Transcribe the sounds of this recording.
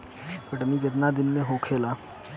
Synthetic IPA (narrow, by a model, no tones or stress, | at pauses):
pɐʈnikɐt̪̬nad̪ɪnmẽɦõːkʰeːlaː